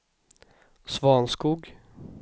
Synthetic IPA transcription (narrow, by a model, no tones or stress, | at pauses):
svɑːnskuːɡ